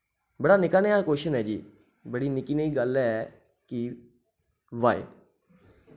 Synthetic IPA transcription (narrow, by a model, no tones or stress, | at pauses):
bəɽaːnɪkaːneaːkoːʃənɦɛːd͡ʒiː | bəɽiːnɪkiːnəiːɡəlɛ | kɪ | ʋaːḛː